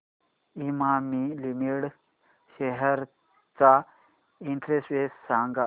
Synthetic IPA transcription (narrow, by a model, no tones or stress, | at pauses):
imamilimiɽ | ɕeɦəɾ | t͡sa | iɳʈɾesʋessãŋɡa